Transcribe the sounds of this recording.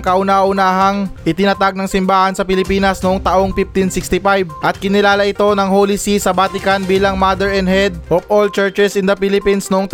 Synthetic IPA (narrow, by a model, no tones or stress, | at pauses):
ŋkɐʔʊnaʔʊnaːɦɐŋʔɪt̪ɪnɐt̪aɡ̚nɐŋsɪmbaːhɐnsɐpɪlɪpiːnɐsnoʔoŋt̪ɐʔo̞ŋpift̪ɪnsɪkst̪ɪfajb̚ʔɐt̪̚kɪnɪlaːlɐʔɪt̪o̞nɐŋhoːlisisɐbaːt̪ɪkɐnbiːlɐŋmad̪ɛɹɛnd̪hɛd̪̚ʔofʔolt͡ʃɛɹt͡ʃɛsɪnd̪ɐpilɪpinsnoʔoŋt̪